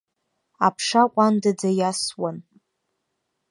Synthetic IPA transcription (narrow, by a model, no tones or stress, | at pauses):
a̰pʰʂakʷʼandad͡zajaswan